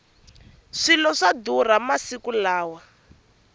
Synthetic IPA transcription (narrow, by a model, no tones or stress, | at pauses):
ʂilɔʂadur̤amasikulaːwa